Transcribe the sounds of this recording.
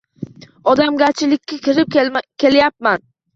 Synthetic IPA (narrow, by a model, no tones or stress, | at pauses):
ɒd̪amɡʲat͡ʃʰɪlɪkʲːakʰʲɪɾɪp̚kʲʰe̞ljap̚man